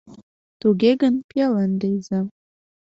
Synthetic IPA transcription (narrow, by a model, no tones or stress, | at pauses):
t̪uɣʲeɡənpelənd̪ejze